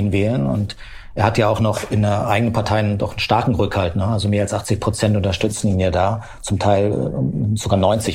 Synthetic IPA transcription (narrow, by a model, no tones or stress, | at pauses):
iːnvɛːlənʊ̰nt | ʔeːɐhatjaːaʊxnɔχɪnəʔaɪɡənənpʰaɐtʰaɪndɔχn̩ʃtaɐkŋ̩ʁʏkhaltnəalzomeːɐalsʔaχt͡sɪçpʁ̥ot͡sɛntʊntɐʃtʏt͡sn̩iːnjaːdaː | t͡sʊmtʰaɪl̰z̥oɡaːɐnɔʏnt͡sɪç